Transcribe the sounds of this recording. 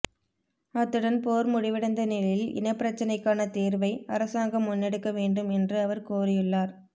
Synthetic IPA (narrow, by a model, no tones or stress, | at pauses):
ɐt̪ːɯɽɐnpoːɾmʊɽɪʋɪɽɐnd̪ɐniɭɪlɪ̰nɐpːɪɾɐt͡ʃːɐnɐɪkːaːnɐt̪iːɾʋɐɪɐɾɐsaːŋɡɐmːʊnːɛɽɯkːɐʋeːɳɖɯmɛndrɯɐʋɐɾkoːrɪjɯɭːaːɾ